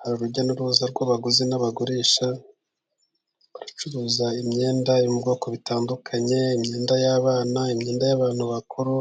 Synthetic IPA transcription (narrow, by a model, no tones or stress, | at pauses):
haɾuɾuɾɟonuɾuuzaɾɡwoβaɡuzenaβaɡuɾiːʃa | uɾat͡ʃuɾuːzaimɲe̞ːndajumubɡo̞ːko̞βitaːndukʰaɲe̞imɲe̞ːndajaβaːnaimɲeːndajaβaːn̥huβakʰuɾu